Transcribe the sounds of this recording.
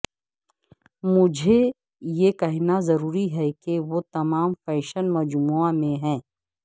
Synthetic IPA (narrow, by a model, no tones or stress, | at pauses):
mʊd͡ʒʱe | jekɐɦnazɐɾuːɾiɦɛkeʋot̪ɐmaːmfɛːʃənmɐd͡ʒmuamẽɦɛ̃ː